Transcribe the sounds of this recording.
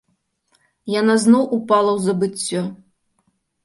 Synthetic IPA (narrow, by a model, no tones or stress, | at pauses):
janaznɔwʔupalˠɐwzɐbɨt͡sʲːɔ